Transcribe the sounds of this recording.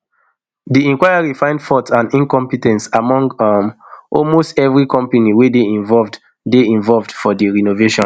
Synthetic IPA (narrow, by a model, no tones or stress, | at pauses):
diɛ̃ŋkwajaɹifãɪ̃ndfɔtãnĩnkɔ̃mpitɛ̃ntsamɔ̃ŋɡmʔɔlmostɛvɹikɔ̃mpaniwedeĩɱvɔlvd | deĩɱvɔlvdfɔdiɹinoveʃɔ̃n